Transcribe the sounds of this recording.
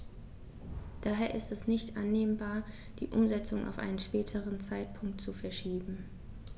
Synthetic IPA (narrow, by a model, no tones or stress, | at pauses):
d̥aːɦeːɐʔɪstɛsnɪçtʔanːeːmbaːɐ | d̥ḭːʔʊ̰mzɛt͡sʊŋʔa̰ʊfʔa̰ɪnənʃpɛːtʰəʁənt͡saɪt̚pʰʊŋk̚tt͡sufɛɐʃiːbm̩